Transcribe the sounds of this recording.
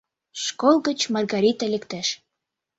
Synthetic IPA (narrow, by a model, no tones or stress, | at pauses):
ʃkolˠɣə̆t͡ɕmɑrɣɑɾʲit̪əlekt̪eʃ